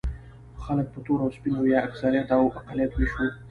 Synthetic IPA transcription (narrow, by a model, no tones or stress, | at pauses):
xalək̚pət̪oɾawspinojaaksaɾijat̪awaqalijat̪weʃo